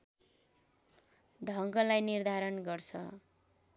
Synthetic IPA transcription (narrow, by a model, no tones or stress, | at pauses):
ɖʱʌŋɡʌlajnird̪ʱaɾʌnɡʌrt͡sʰʌ̰